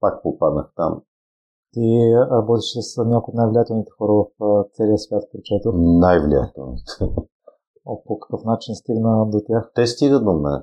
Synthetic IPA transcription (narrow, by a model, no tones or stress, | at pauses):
pak̚popad̪nəxt̪a̰m | t̪iɾɐbɔt̪iʃsəsnʲakʊjot̪najvlʲiat̪ɛlˠnit̪ɛ̥xɔɾəvɐft̪sɛliəsvʲjat̪pɾit͡ʃɛt̪ɛnajvlʲḭja̰t̪ɛlˠnit̪ɛ | opokɐ̥kɤfnat͡ʃinst̪iɡnəd̪ot̪ʲaxt̪ɛst̪iɡəd̪omɛ̰